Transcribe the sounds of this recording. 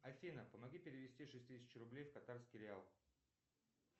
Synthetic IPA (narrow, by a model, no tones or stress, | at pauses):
ɐfʲinəpəmɐɡʲipʲɪɾʲɪvʲɪsʲtʲiʂɨsʲt̪ʲsʲɪt͡ɕrʊblʲejfkɐt̪arskʲɪɾʲɪalˠ